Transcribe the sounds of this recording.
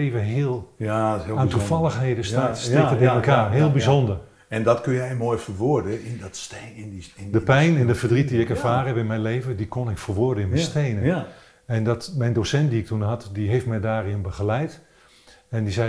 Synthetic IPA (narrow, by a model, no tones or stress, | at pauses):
evəɦɪəlˠ | aːntufɑlˠəxɦejdəsastɪətɪnməkaːrɦɪəlˠbizondər | ɛndɔtkønjɛjmoːjfəʋʊdəɪnt | dəpɛjnɛndəfərdrit̚diɪkɛvaːɾəɦɛpɪnmɛjnlejvədikonɪkfərʋʊərdəɪnmɛjstejnə | ɛndɔtmɛjndosɛntdiɪk̚tunɦɑtdiɦejftmɛjdaːrɪnbəχəlɛjt | ɛndizɛ